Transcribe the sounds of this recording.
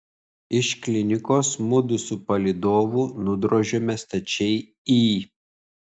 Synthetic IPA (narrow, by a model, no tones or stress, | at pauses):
ɪʃklʲɪnʲɪkoːsmʊd̪ʊsupɐlʲɪd̪oːʋuːnʊd̪ɾoːʒʲoːmʲɛst̪ɐt͡ʃʲɛɪ | iː